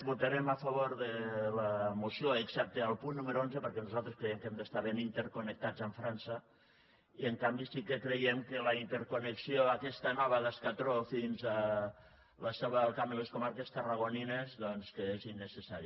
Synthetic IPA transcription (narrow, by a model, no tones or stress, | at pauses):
but̪aɾemafaβ̞oɾðelamusjoeksɛp̚t̪ealˠpunːumeɾoonzepəɾkɛnuzalˠt̪ɾeskɾejɛmkɛmd̪əst̪aɾβenint̪eɾkonek̚t̪ad͡zəɱfɾansə | iəŋkambisikekɾejemkelaint̪eɾkoneksioakɛst̪anɔβəðaskat̪ɾofinza | laseβalˠkambileskomaɾkest̪əraɣoninezðɔnskeezinːesesaɾi